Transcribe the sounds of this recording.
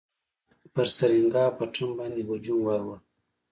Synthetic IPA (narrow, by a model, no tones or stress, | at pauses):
pəɾsaɾiŋɡɑːpəʈ͡ʂʰumbɑːnd̪ewad͡ʒumwawa